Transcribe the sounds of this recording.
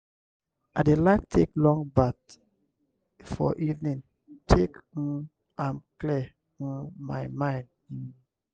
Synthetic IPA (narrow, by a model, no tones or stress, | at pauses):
adelaɪk̚tʰeklɔ̃ŋbat̚ | fɔ̰ʔivnĩn | tʰek̩ | ãmkli | majmãɪ̃nd | in